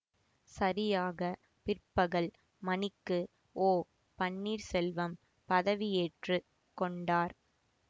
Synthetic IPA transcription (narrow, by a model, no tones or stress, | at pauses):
sɐɾɪjaːɣɐ | pɪrpːɐɣɐɭ | mɐnɪkːɯ | oː | pɐɳːiːɾsɛlʋɐm | pɐðɐʋɪeːʈrɯ | kɔɳɖaːɾ